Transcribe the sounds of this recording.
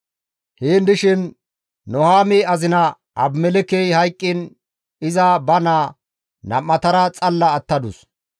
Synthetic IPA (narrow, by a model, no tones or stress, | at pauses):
heːnd̪ɪʃɪnː | ɔhaːmeɐzɪnɐ | ɐ̰bmɛlɛkɛjhɐjkʼːɪn | ɪzɐbɐnaː | nɐ̰mːɐt̪ɐɾɐt͡sʼɐlːɐːt̪ːɐd̪ʊs